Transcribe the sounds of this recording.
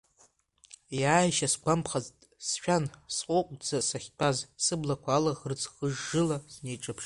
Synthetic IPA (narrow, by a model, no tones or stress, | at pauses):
jaːjʃasɡʷampʰχaztʼsʃᶣansqʷʼoqʷʼd͡zasaχʲt͡pʰʼazsɨblakʷʰaːlaʁrt͡sʰʼχəʐːɨlasne̞jʈ͡ʂʼapʰʂ